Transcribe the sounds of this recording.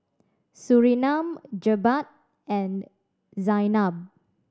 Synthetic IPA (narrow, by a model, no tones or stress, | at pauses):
suɹinãmd͡ʒəbat̚ | ɛ̃n | zajnab̚